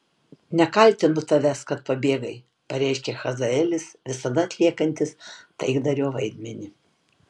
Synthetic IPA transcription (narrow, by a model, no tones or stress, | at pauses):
nʲɛkɐlʲt̪ʲɪnʊt̪ɐʋʲɛskɐt̪̚pɐbʲeːɡɐɪ | pɐɾʲɛɪʃʲkʲɛxɐzɐɛlʲɪsʋʲɪsɐd̪ɐɐt̪ʲlʲiɛkɐnʲt̪ʲɪst̪ɐɪɡd̪ɐɾʲoːʋɐɪd̪ʲmʲɛnʲɪ